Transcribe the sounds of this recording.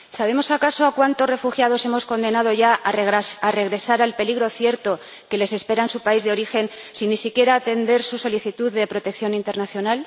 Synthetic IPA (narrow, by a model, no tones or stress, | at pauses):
saβ̞e̞mo̞sakaso̞akwant̪o̞re̞fuxjað̞o̞se̞mo̞sko̞nd̪e̞naðo̞ʝaʔaare̞ɣ̞ɾe̞saɾalpe̞liɣ̞ɾo̞θje̞ɾt̪o̞ | ke̞le̞se̞spe̞ɾansupaizðeo̞ɾixe̞nsinːisikje̞ɾaːt̪e̞nd̪e̞ɾsuso̞liθit̪uððe̞pɾo̞t̪ek̚θjo̞nint̪e̞ɾnaθjo̞nal